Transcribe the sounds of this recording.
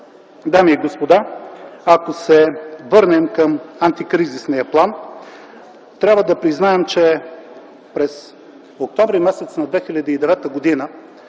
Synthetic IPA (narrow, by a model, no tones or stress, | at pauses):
d̪amiːɡospod̪aakosɛvɤɾnɛmkəmant̪ikɾizisnijəplˠan | t̪ɾʲabvəd̪ɐpɾiznaɛmt͡ʃɛ | pɾɛs | ok̚t̪ɔmvɾimɛsɛt̪snɐd̪vɛxilʲɐd̪iːd̪ɛvɛt̪əɡod̪inə